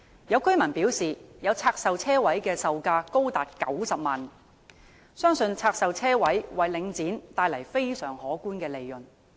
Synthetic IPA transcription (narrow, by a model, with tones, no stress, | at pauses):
jɐ˨˧wkɵ˥ɥmɐ˨˩npiː˨˥wsiː˨jɐ˨˧wt͡sʰaː˧k̚sɐ˨wt͡sʰɛː˥wɐ˨˥jkɛː˧sɐ˨wkaː˧ko˥wt̪aː˨˩t̚kɐ˨˥wsɐ˨p̚maː˨n | sœː˥ŋsɵ˧nt͡sʰaː˧k̚sɐ˨wt͡sʰɛː˥wɐ˨˥jwɐ˨jlɪ˨˧ŋt͡siː˨˥nt̪aː˧jlɐ˨˩jfe˥jsœː˨˩ŋhɔː˨˥kuː˥nkɛː˧le˨jːɵ˨n